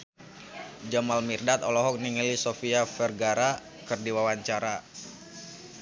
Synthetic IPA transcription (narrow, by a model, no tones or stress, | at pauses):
d͡ʒamalmirdat̪ɔlɔɦɔk̚niŋilisofiafɛrɡaɾa | kɨrdiwawaɲt͡ʃaɾa